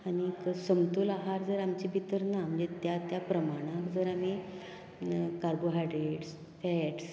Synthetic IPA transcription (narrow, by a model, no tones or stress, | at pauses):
aɽ̃iksəmt̪ulaɦaɾd͡zəɾamt͡ɕibʱit̪əɾnam̤əɳd͡zet̪jat̪japɾəmaɽ̃ãkd͡zəɾami | kaɾboɦajɖɾeʈs | feeʈs